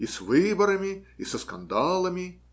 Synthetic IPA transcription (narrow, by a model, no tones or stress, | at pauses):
isvɨbɐɾɐmʲiisəska̰nd̪alˠɐmʲi